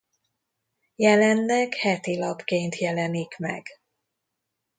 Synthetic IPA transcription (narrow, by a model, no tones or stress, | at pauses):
jɛlɛnːɛkhɛt̪ilɒpkeːnt̪jɛlɛnikmɛ̰ɡ̥